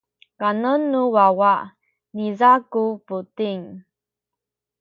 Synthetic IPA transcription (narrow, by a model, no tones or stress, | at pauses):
kanənːuwawaʔ | nizakuputiŋ